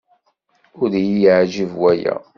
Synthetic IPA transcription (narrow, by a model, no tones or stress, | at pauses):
ʊɾjiʕʒivwæjæ̰